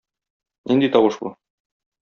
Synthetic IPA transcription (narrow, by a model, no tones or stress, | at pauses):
nind̪it̪ɒwɤʃbṵ